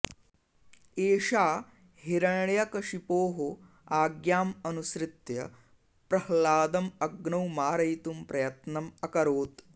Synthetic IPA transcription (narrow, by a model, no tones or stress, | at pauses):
eːʃaː | ɦiɾɐɳɳjɐkɐʂipoːɦo | aːɡjaːmɐnuʃɾɪt̪jɐ̰ | pɾɐhlaːd̪ɐmɐɡɳɐwmaːɾɐjt̪umpɾɐjɐt̪nɐmɐkɐɾoːt̪